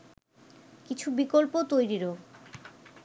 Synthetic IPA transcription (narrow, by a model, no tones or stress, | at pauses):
kit͡ɕʰubikolpot̪ojɾiɾo